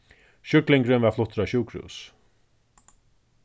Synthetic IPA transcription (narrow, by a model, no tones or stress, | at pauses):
ʃʏklɪŋkɾʏnvaflʊht̪ɾaɕuːkɾṵːs